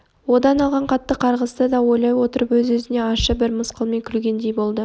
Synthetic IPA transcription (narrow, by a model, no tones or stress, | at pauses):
wo̞d̪ɑnɑlˠʁɑɴqʰɑt̪ːəqʰɑɾʁəst̪əd̪ɑwo̞jlˠɑjwo̞t̪əɾəpwɵzwɵzɪne̞ɑʃəbɪɾməsqəlˠmijkʲʰʏlɡʲe̞nd̪e̞jbo̞lˠd̪ə